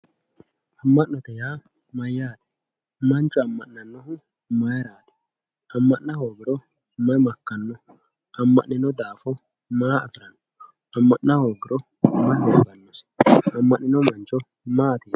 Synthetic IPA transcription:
ʔɐmːɐʔnɔt̪ɛjaː | mɐjːaːt̪ɛ̥ | mɐnt͡ʃʼːɔɐmːɐʔnɐnːɔɦʊ | mɐjɐɾaːd̪ɛ̥ | ɐmːɐʔnɐhoːɡɪɾɔ | mɐjmɐkːɐnːɔ | ɐmːɐʔnɪnɔd̪aːfɔ | maːɐ̰tɪɾɐnːɔ | ɐmːɐʔnɐhoːɡɪɾɔ | mɐjmɔsʊɡɐnːɔsɐmːɐʔnɪnɔmɐnt͡ʃːɔ | maːt̪eː

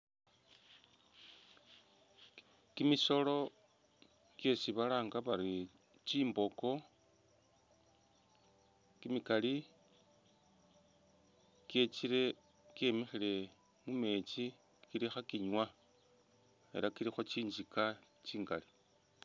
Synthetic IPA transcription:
kimiso̞lo̞ | kjesiβalaːŋɡaβaɾi | t͡ʃiːmbo̞ko̞ | kimikali | kje̞t͡ʃiɾe̞ | ke̞mexile̞ | mume̞t͡si | kiɾixakiɲwa | e̞̰ɾakiɾixo̞t͡ʃiːɲd͡ʒikat͡ʃiːŋɡa̰li

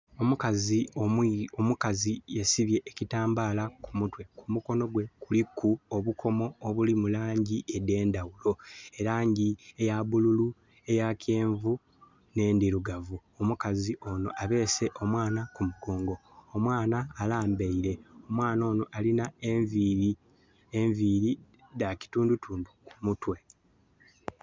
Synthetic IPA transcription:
omukazi | omukazijesiβje̞ʔːcitaːmbaːlakumutwe̞kʰumuko̞no̞ɡwe̞kulikʰːuoβukʰo̞mo̞ːβulimulaːɲɟiʔede̞ːndawulo̞e̞ɾaːɲɟiejaβululu | e̞jacʰeːɱvu | ne̞ːndiɾuɡavuomukaziʔo̞no̞̰ʔaβe̞ːse̞ʔo̞mwaːnakumuɡoːŋɡo̞ːmwaːnaːlaːmbeiɾe̞o̞mwaːno̞ːno̞ʔalinaeɱviɾi | eɱviːɾi | daci̥tuːndutʰuːndukumutwe̞

